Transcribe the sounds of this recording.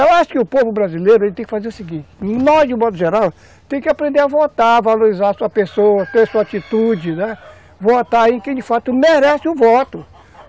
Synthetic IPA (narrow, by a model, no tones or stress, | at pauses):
ewaʃʊ̥kɪʊpovʊbɾazilejɾʊelɪt̪ẽj̃kɪfazeɾʊsiɡĩt͡ʃɪ̥nɔzd͡ʒɪʊ̃mɔd̪ʊʒeɾaw | t̪ẽj̃kɪapɾẽnd̪eɾavot̪avaloɾizaɾɐsuɐpesowɐt̪eɾsuɐat͡ʃit̪ud͡ʒɪnɛ | vot̪aẽkẽj̃d͡ʒɪfat̪ʊmeɾɛsɪʊvɔt̪ʊ